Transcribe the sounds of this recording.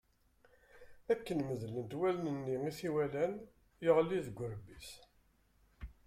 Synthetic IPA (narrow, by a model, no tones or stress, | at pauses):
ækːənməðlənt̪wælnənːiiθiwælæn | jəʁliðɡʷːʊɾbis